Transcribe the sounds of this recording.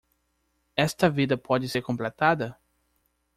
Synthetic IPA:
ɛst̪ɐvid̪ɐpʰɔd͡ʒɪseɾkõmplet̪ad̪ɐ

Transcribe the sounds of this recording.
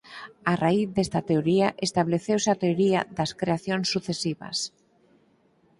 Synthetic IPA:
araiθðest̪at̪eoɾiaʔest̪aβleθewseat̪eoɾia̰ðɐskɾeaθjoŋsːuθesiβɐ̰s

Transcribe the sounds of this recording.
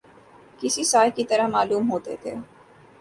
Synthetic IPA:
kɪsisaːjkit̪ɐɾəmaːluːmɦoːt̪ḛt̪ʰḛː

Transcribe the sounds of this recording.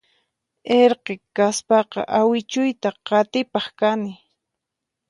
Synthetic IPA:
eɾqekaspɑqɑ̰ʔawɪt͡ʃʊjt̪aqɑt̪ɪpɑχkanɪ

